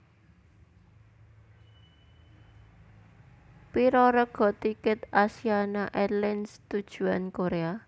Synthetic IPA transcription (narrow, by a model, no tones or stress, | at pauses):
piɾɔɾɔɡ̥ɔ̤t̪ikɪt̪asianaʔɛlɪnst̪ud̥ʒ̥ṳankoɾea